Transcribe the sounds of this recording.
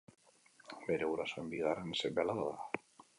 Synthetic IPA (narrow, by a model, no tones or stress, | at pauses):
be̞ɾe̞ɣuɾaso̞embiɣarensembealaβaða